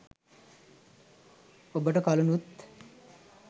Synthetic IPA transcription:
obəʈəkalunut̪

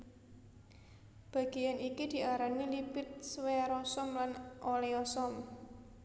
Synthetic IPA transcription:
b̥a̤ɡ̥ejanikid̪̥i̤ʔaɾanilipɪt̪̚sweɾɔsɔmlanʔoleɔsɔm

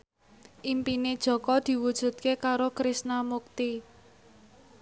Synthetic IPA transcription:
ʔimpined̥ʒ̥ɔ̤kɔd̪̥i̤wud̥ʒ̥ṳt̪̚kekaɾokɾisnamuk̚t̪i

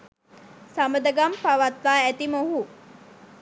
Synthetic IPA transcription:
saməd̪əɡampaʋat̪ʋaːæt̪imoɦu

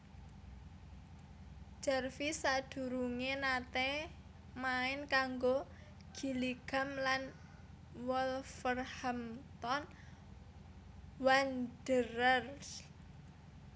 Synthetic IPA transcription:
d͡ʒ̥arfisad̪̥ṳɾuŋenat̪ɛ | maɪnkaŋɡo | ɡ̥i̤liɡ̥a̤mlan | wɔlfərhamt̪ɔn | wand̥əɾər

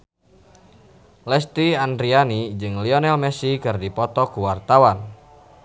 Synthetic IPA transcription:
lɛst̪iandɾianid͡ʒɨŋliɔnɛlmɛsikɨrdipɔt̪ɔkuwart̪awan

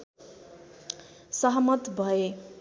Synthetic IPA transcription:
sʌɦmʌt̪bʱʌe

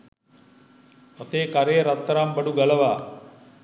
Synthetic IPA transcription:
ɐt̪eːkaɾejəɾat̪ːəɾambɐɖuɡaləʋaː

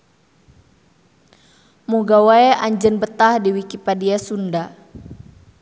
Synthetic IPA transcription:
muɡawaɛʔaɲd͡ʒənbət̪ahdiwikipadiasunda

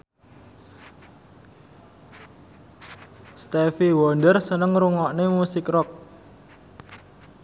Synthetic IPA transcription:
st̪efiwɔndərsənəŋɾuŋɔʔnemusɪkrɔk̚

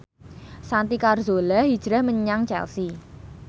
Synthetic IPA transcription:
sant̪ikarzolaɦid̥ʒ̥ɾahməɲaŋt͡ʃɛ̰lsi

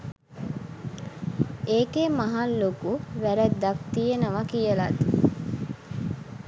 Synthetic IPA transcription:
eːkemɐɦalːokuʋæɾæt̪d̪ak̚t̪ijenəʋakijəlat̪

